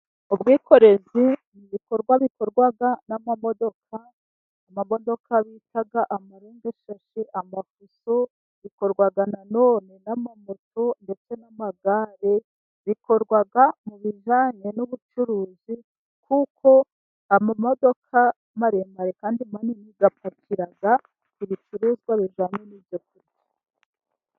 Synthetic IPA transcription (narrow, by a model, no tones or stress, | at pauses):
ubɡiːkʰo̞ɾe̞ziniβiko̞ɾɡwaβikoɾɡwaɡanamamo̞do̞kʰaː | mamo̞do̞kʰaβitʰaɡaʔamaɾeːŋɡaʃaʃeʔamafuso | βikoɾɡwaɡanano̞ːne̞namamotʰonde̞t͡se̞namaɡaːɾe | βiko̞ɾɡwaɡamuβiʒaːɲe̞nuβut͡ʃuɾuːzi | kukʰo̞ | amamo̞do̞kʰa | maɾemaɾekaːndimaniniɡapacʰiɾaɡa | iβit͡ʃuɾuːzɡwaβiʒaːɲenivjok̚uɾi